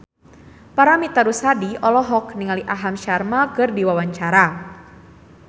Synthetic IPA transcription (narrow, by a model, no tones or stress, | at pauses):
paɾamit̪aɾusadiɔlɔɦɔkniŋaliʔaɦamʃarmakɨrdiwawaɲt͡ʃaɾa